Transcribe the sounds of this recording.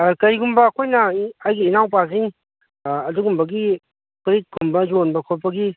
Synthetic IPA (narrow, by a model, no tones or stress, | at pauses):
kɐɾiɡumbɐːkʰojnɐajɡiːnawp̬aziŋ | ɐduɡumbɐɡi | kɾit̚ɡʰumbɐjonbɐkʰolpɐɡi